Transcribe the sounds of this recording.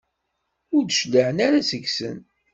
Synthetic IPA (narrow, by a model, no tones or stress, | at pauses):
ʊɾd̪ʃlːəʕənaɾasəɡsə̰n